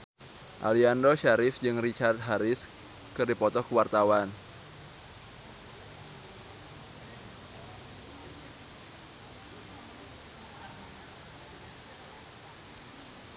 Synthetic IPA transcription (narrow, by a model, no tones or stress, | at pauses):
ʔa̰liandɔʃaɾɪsd͡ʒɨŋrit͡ʃart̪̚ɦaɾɪs | kɨrdipɔt̪ɔkəwart̪awan